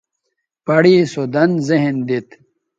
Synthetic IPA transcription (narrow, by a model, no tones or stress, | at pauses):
pɐɽiːsod̪ɐnzeɦnd̪it̪